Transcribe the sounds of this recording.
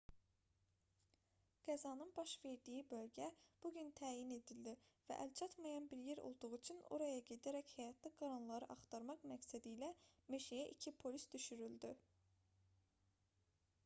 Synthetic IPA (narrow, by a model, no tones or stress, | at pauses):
ɡ̥æzɑnɯnbɑʃve̞ɾd̪ijibø̞lɟæb̥uɟynt̪ʰæːjine̞d̪ild̪ivæ̰ʔælt͡ʃʰɑt̪mɑjɑnbiɾjeɾo̞̰lˠd̪uʁuyt͡ʃʰyno̰ɾɑjɑɟe̞d̪æɾæchæjɑt̪ʰliɡɑɾɑnlˠɑɾɯʔɑχt̪ʰɑɾmɑqmæksæd̪iːlæmeʃijæʔicʰipʰo̞lʲisd̪yʃyɾyld̪y